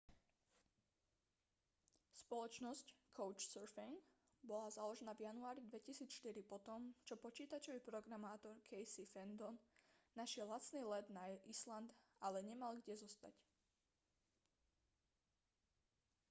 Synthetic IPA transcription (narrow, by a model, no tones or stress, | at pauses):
spɔlɔt͡ʃnɔsckʰɔʊt͡ʃsɛɾfiŋ | bɔlazalɔʒɛnavjanuaːɾid̪ʋɛcisiːt͡sʃt̪iɾipɔt̪ɔmt͡ʃɔpɔt͡ʃiːt̪at͡ʃɔʋipɾɔɡɾamaːt̪ɔɾkʰɛjsifɛnd̪ɔnːaʃɪɛlːat͡sniːlɛd̪naisland̪alɛɲɛmalɡɟɛzɔst̪a̰c